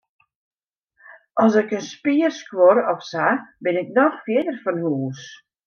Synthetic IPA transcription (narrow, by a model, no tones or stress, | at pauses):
ʔɔsɪkənspiərskwoɾɔfsabɪnɪk̚nɔxfjɪədərfɔnhuːs